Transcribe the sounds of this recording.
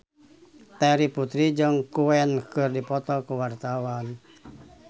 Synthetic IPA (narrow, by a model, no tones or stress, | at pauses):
t̪ɛɾiput̪ɾid͡ʒəŋkuɛnkɨrdipɔt̪ɔkuwart̪awan